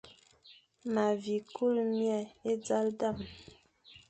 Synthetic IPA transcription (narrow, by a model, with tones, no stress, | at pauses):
ma˨vi˨ku˦˨lmja˦˨e˦d͡za˦lda˦˨m